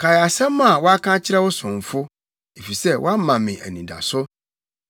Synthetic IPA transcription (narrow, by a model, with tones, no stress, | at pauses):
kʰa˨ja˨sɛ̃˦mã˨wɔ˦a˦kʰã˦t͡ɕʰɪ˦ɾɛ˦wʊ˦sʊ̃˨m˨fʊ˦ | e˨fi˨sɛ˦wʔa˦mːã˨mɪ̃˨ʔæ̰˨nĩ˨da̰˨sʊ˦